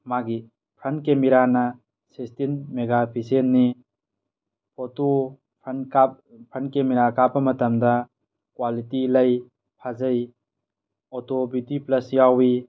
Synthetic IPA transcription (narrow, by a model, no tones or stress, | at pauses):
maɡi | pʰɐnkemiɾanɐ | sestinmeɡapʰisenːi | poto | pʰnka | pʰɐnkemiɾakapːɐmɐtɐmdɐ | kwalitilɐj | pʰazɐj | otobitiplɐsjawi